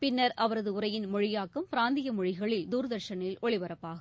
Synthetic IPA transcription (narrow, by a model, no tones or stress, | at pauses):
pɪnːɐɾʔɐʋɐɾɐðɯʊɾɐjɪnmɔɻɪjaːkːɯmpɪɾaːnd̪ɪjɐmɔɻɪɣɐɭɪld̪uːɾɐðɐɾʂɐnɪlʔɔɭɪʋɐɾɐpːaːɣɐ